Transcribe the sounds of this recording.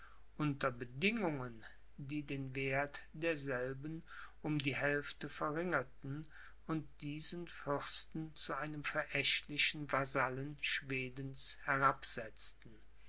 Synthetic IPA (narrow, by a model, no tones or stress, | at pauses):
ʔʊntɐbədɪŋʊŋən | diːdeːnveːɐtd̥eːɐzɛlbən̩ʔʊmdiːɦɛlftəfɛɐʁɪŋɐtn̩ | ʊnt̚d̥iːzənfʏʁstn̩t͡suʔaɪnəmfɛɐʔɛʃtlɪʃn̩vazalənʃv̥eːdən̩shɛʁapz̥ɛt͡stn̩